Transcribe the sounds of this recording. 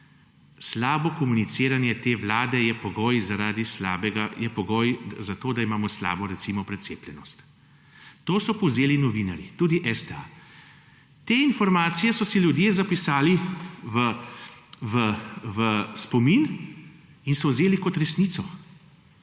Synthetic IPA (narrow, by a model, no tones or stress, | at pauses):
slaːbɔkɔmunit̪seːɾanjɛt̪eːʋlaːd̪ɛjɛpɔɡoːjzaɾaːd̪islaːbɛɡajɛpɔɡoːjzat̪oːd̪aimaːmɔsla̰ːbɔɾɛt̪simɔpɾɛt̪sḛːplʲjɛnɔst̪ | t̪oːsɔpɔwzeːlinɔʋinaɾjit̪uːd̪iʔɛst̪ɛa̰ | t̪eːinfɔɾmaːt̪sijɛsɔsilʲjud̪jeːzapisaːliʋə | ʋəʋəspɔmin | insɔwzeːlikɔt̪ɾɛsnit̪sɔ